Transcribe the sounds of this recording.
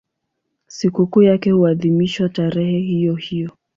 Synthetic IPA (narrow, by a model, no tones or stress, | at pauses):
sikukuːjakɛhuaðimiʃwataɾɛhɛhijɔhijɔ